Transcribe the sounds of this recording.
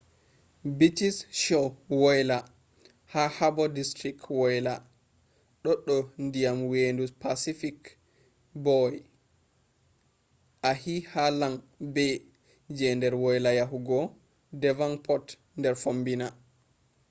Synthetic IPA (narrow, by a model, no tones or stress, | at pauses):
bitisʃɔwɔjla | hahabɔdistɾikwɔjla | ɗɔɗɔndijamwendupasifik | bɔj | ʔahihalan | bɛ | d͡ʒɛndɛɾwɔjlajaɦuɡɔ | dɛvanpʰɔt | ndɛɾfombina